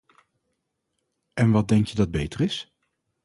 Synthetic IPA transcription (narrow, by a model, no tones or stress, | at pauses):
ɛnʋɑd̚dɛŋkjədɑd̚bejtərɪs